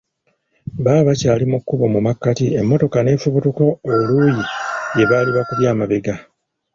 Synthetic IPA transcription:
βaːβacaːlimukːuβomumakːatie̞mːo̞to̞kane̞ːfuβutoko̞ːluːjije̞βaliβakuβjaːmaβe̞ɡa

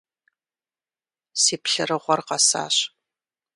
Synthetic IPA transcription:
siːpɬɨrɨʁʷɔrqɐsa̰ːɕ

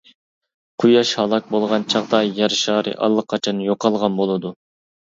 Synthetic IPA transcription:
qʰujɑʃhɑlˠɑk̚bolˠʁɑnt͡ʃʰɑʁd̪ɑjɑɾʃɑːɾɨ̰ʔɑ̰lˠːəqʰːɑt͡ʃʰɑnjoqʰɑlˠʁɑnbolˠɨd̪u

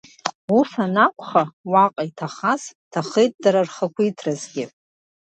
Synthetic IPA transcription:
usanakʷʰʼχawaqʼaitʰaχaztʰaχejt̚ʼdaɾarχakʷʰuitʰrazɡʲɪ

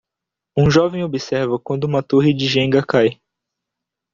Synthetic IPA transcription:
ũʒɔvẽj̃obisɛɾvɐkwɐ̃nd̪ʊũmɐt̪oɦid͡ʒɪʒẽŋɡɐkaj

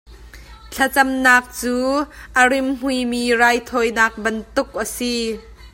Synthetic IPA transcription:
t͡ɬʰɐt͡sɐmnaːk̚t͡suːʔəɾɪmm̥ujmiːraːjt̪ʰɔːjnaːk̚bɐnt̪ʊk̚ʔəsi

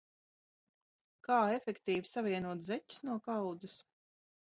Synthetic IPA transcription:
kaːɛfɛkt̪iːvisavʲiɛnuɔt̪zɛcu̥snuɔkawd̪zɐs

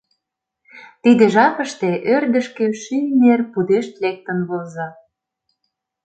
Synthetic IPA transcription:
t̪id̪eʒɑpə̆ʃt̪eʔørd̪ə̆ʃkemʃynʲnerpud̪eʃt̪lek̚t̪ə̆nβolzɑ

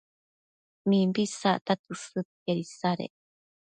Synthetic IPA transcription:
mimbisa̰t̪at̪usɯkeɾisaɾḛ

